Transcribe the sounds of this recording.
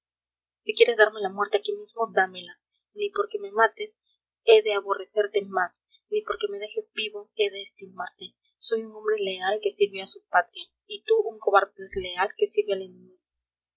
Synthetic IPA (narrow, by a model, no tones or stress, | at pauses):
sikje̞ɾe̞zðaɾme̞lamwe̞ɾt̪e̞akimizmo̞d̪ame̞la | nipo̞ɾke̞me̞mat̪es | e̞ðe̞aβo̞re̞se̞ɾt̪e̞mas | nipo̞ɾke̞me̞ðe̞xe̞zbiβo̞e̞ðe̞ːst̪imaɾt̪e | so̞juŋombɾe̞le̞alke̞siɾβjoasupat̪ɾja | it̪uuŋko̞βaɾðoðezlealke̞siɾβealenĩmiɣ